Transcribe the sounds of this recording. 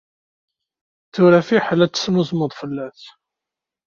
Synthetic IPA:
θʊɾæfiħlæt͡sːə̥smuzməðˤfəlːæθ

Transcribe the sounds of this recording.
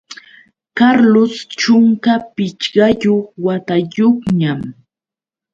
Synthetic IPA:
kaɾlost͡ʃʊŋkapɪt͡ʃɢɑjoχwat̪ajoχɲam

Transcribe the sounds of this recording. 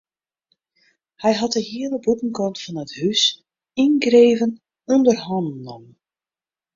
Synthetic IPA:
hɛjɦɑtəhiələbutn̩kɔntfɔnəthys | inɡreːvən | ɔndərɦɔndnnɔm

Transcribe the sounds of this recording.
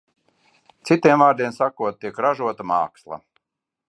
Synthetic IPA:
t̪sit̪iɛmaːɾd̪iɛnsakuɔt̪̚t̪ːiɛkɾaʒuɔt̪amaːkslˠa̰

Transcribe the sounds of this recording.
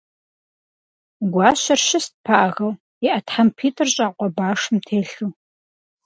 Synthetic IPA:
ɡʷɑːɕɐrʃɪst̚pʰaʔɐʁɐw | iʔɐtħampʰiːtʰʼɨrɕʼaːqʷɔbaːʂmtʰeːɬuː

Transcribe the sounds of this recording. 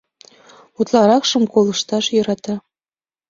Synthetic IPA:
ut̪lˠɑɾɑkʃɤ̆mkolˠɤ̆ʃt̪ɑʃjɤ̆ɾɑt̪ɑ

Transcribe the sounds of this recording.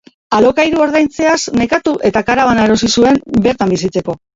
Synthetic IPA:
alo̞kajɾuo̞ɾð̞ajnt͡se̞asne̞kat̪uʔe̞t̪akaɾaβanae̞ɾo̞sisue̞mbe̞ɾt̪ambisit͡se̞ko̞

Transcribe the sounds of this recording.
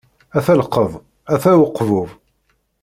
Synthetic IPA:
æθæləqːəðˤ | æθæwəqːvʊv

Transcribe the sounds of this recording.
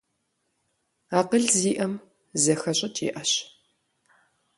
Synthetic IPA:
aːqəɮziːʔɐm | zɐxɐɕʼɐtʰḭːʔɐɕ

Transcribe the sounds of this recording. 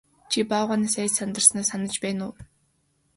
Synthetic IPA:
t͡ɕʰipaːʁaːniːsæːt͡ɕsant̪ə̆rsnaːsanə̆t͡ɕpæːnʊ̰ː

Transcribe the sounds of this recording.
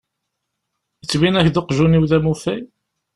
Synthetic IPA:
ət͡sːminæçðoqʒuniwðæmufæj

